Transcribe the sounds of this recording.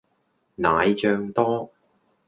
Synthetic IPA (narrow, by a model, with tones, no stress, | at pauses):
naː˨˧jt͡ʃœː˧ŋt̪ɔː˥